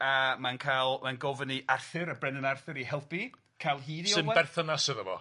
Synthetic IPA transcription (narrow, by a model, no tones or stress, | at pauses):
amankʰajlˠmanɡovəniʔarθɨɾəbrɛnənarθɪɾihɛlˠpi | kʰalˠɦiːðisoɨnɛbɛrθɔnasəðəvɔ̰